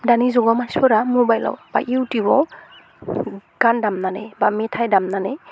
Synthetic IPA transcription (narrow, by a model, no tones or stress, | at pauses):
danizɔɡɔmaspɔɾamobajla̰wb̥a̰ʔiwtibɔ | ɡ̥andamnanebametʰajdamnane